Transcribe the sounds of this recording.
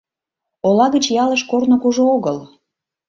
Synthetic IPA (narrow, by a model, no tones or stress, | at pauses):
olɑɣət͡ɕjɑləʃkornokuʒooɣəl